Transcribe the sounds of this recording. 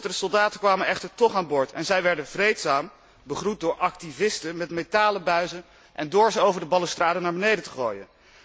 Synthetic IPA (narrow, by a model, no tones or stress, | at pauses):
tədəsɔlˠdaːtəkʋaːmənʔɛχtəɹtɔχaːnbʊːɹtʰɛ̰nzɛjʋɛɹdənvrejtsaːm | bəχrut̚dʊːɹʔɑk̚tivɪstənmɛtmetaːləbœɥzən | ʔɛndʊːɹzəowvəɹdəbɑləstraːdənaːɹbənejdəntə̥χo̰ːjə̰n